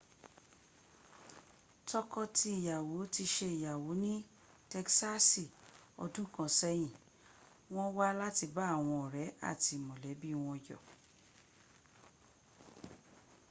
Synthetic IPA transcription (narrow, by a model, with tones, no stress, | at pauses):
tɔ˧kɔ˧ti˧i˨ja˨wo˨˦ti˧ʃe˧i˨ja˨wo˨˦nĩ˦ | tɛ˧ksa˦si˨ɔ̰˧dũ˦kã˧˨sɛ˦j̃ĩ˦˨ | w̃ɔ̃˦wa˦la˦ti˧ba˦a˦˨w̃ɔ̃˧ɔ˨ɾɛ˨˦a̰˦˨ti˧˨mɔ̃˨lɛ˨˦bi˦w̃ɔ̃˧jɔ̰˨